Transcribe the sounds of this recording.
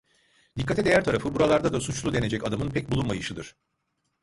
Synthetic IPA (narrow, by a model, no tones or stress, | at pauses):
d̪ikʰːat̪ɛd̪e̞jæɾt̪ʰaɾafɯbuɾalˠaɾd̪ad̪asut͡ʃlˠud̪e̞ned͡ʒɛcad̪amɯnpʰɛc̚bulˠumajɯʃɯd̪ɯɾ̥